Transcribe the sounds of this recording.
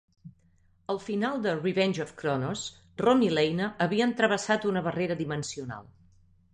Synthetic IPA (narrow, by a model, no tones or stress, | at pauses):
əlˠfinalˠd̪əriβɛnʲʒɔfkɾɔnos | rɔmilɛjnəʔːβiənt̪ɾəβ̞əsat̪unəβəreɾəðimənsiuna̰lˠ